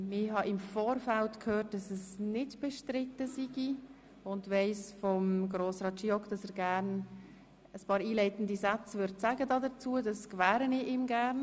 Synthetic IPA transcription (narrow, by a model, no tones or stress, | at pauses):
mɪɦɑʔɪmfoːrfaltkʰhøːt̚d̥ɑsɛsnɪdb̥ɛʃtɾɪtːəsiɡi | ʊndʋɛɪsfɔmɡroːsrɑːtt͡ʃiɔkd̥ɑsɛːɾɡæːɾn | əspɑːɾiːlɛɪtn̩disat͡sʋʏɾdsæɡədɑːdət͡suːədɑskvæːɾənɪiːmɡæːɾn